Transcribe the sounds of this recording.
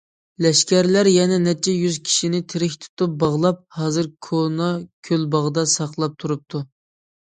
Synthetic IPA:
lɛʃkʲæɾlæɾjɛnɛnɛt͡ʃʰːɛjyzkʲʰi̥ʃinɪt̪ʰɪɾɪkʲt̪ʰu̥t̪up̚bɑʁlˠɑp̚hɑːzɨɾkʰonɑkʲʰølbɑʁd̪ɑsɑqlˠɑp̚t̪ʰuɾup̚t̪ʰu

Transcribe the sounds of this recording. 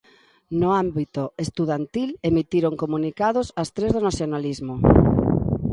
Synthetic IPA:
nʊambit̪oest̪uðant̪ilemit̪iɾoŋkomunikað̞ʊsast̪ɾezðonaθjonalizmʊ

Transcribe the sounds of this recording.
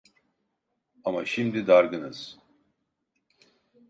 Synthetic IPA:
amaʃimd̪id̪aɾɡɯnɯz̥

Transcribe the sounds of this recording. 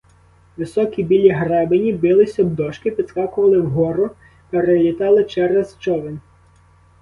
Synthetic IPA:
ʋɪsɔkʲibʲilʲiɦɾɛbenʲibɪlˠɪsʲɔbd̪ɔʃkɪpʲid̪skɑkʊʋɐlˠɪwɦɔɾʊ | peɾelʲit̪ɑlˠɪt͡ʃɛɾɛzt͡ʃɔʋenʲ

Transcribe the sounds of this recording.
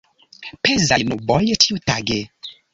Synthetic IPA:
pezanubɔjetʰiutaɡe

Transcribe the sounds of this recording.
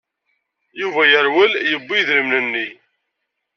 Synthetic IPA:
juvæjəɾwəljəbːiðɾəmnənːi

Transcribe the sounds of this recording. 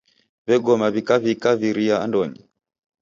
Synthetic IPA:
βɛɡɔmaβikaβikaβiɾia̰ːndɔɲi

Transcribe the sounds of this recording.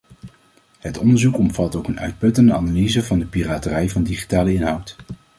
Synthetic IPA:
ɦətɔndəɹzukɔmv̥ɑtowkənœ̰ɥt̚pɵtəndəanalizəvɑndəpiraːtərɛjvɑndiχi̥taːləɪnɦʌwt

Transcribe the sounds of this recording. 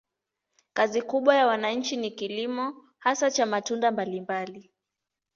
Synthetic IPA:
kazikuɓwajawanaɲ̩t͡ʃinikilimɔ | hasat͡ʃamatundambalimbali

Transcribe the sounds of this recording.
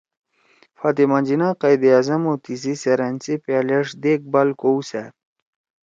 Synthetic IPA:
fat̪imand͡ʑinaqajd̪iazamot̪iziseɾant͡sipaleʂd̪ek̚balkouse

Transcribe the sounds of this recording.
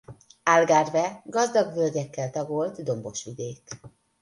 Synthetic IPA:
aːlɡaːrvɛɡɒzd̪ɒɡvølɟ̪ɛkːɛlt̪ɒɡolt̪d̪o̞mbo̞ʃyd̪eːk

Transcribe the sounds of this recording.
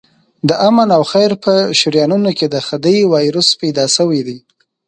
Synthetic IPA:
d̪əʔamanawxajɾpəʃʊɾjɑnunoked̪əxad̪əjwɑjɾuspajd̪ɑsəwid̪i

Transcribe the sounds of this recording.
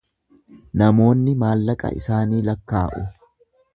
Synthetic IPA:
nɐmo̞ːnːɪmaːlːɐkʼɐ̰ɪ̰saːniːlɐkːaːʔʊ

